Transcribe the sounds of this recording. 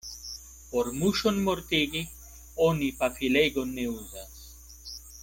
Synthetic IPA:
poɾmuʃonmoɾt̪iɡi | onipafilejɡonːeuzas

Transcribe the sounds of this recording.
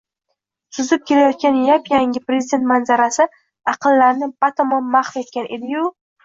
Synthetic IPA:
sʊzɪp̚kʲʰe̞lajɒt̪̚kʲanjapjaŋʲɪpɾezɪd̪ʲe̞nt̪manzaɾasɪ | ɑqʰɨlːaɾnɪpat̪ʰomomaχfe̞t̪̚kʲanʔe̞d̪ɪjʊ

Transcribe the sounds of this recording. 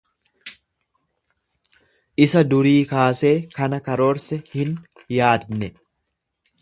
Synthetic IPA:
ʔɪsɐd̪ʊɾiːkaːse̞ːkɐnɐkɐɾo̞ːɾsɛhɪn | jaːd̪nɛ

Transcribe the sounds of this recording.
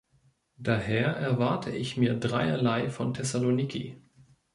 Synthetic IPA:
d̥aːheːɐʔɛɐvaɐtʰəʔɪçmiːɐdʁaɪɐ̰laɪfɔntʰɛsalonikʰḭ

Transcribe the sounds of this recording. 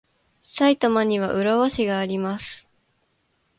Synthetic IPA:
sait̪amaɲ̟iβ̞aʔɯ̟ɾaβaɕiɡaːɾʲimasɨ̥

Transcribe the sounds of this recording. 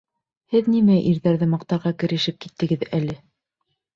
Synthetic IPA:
hɘðnimæʔiɾðæɾðɘmɑq̚t̪ɑɾʁɑkɘ̆ɾɘ̆ʃɘp̚kit̪ːɘ̆ɡɘðælɘ

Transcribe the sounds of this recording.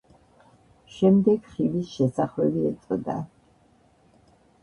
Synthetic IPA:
ʃɛmd̪ɛɡχivisʃɛsaχlɛbiɛt̪sʼd̪a̰

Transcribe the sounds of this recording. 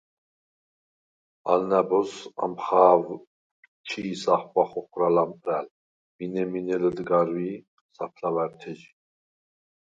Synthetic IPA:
a̰lnæbɔsa̰mχaːv | t͡ʃʰisaχpaχɔχɾalamʼɾæl | minɛminɛləd̪ɡaɾvi | sapʰlavæɾt̪ʰɛd͡ʒi

